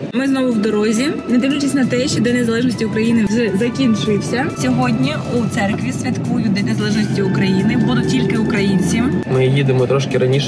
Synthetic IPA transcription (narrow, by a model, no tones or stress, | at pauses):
mɪznɔʋʊwd̪ɔɾɔzʲinɐd̪ɪʋnʲʊt͡ʃɪsʲnɐt̪ɛʃt͡ʃɔd̪ɛnezɐlˠɛʒnɔsʲtʲiʊkɾɐjinɪʐɛzɐkʲint͡ʃʊjɪwsʲɐsʲɔɦɔdʲnʲi | ut̪sɛrkʋʲisʲʋʲit̪kujʊd̪ɛnezɐlˠɛʒnɔsʲtʲiʊkɾɐjinɪbɔd̪ʊtʲilʲkɪʊkɾɐjinʲt͡sʲimmɪjid̪ɪmɔt̪ɾɔʃkɪɾɐnʲiʃɛ